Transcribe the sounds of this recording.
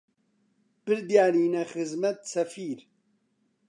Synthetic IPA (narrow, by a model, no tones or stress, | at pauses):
b̥ɨɾd̪jaːniːnɐxɨzmɐt̪sɐfiːɾ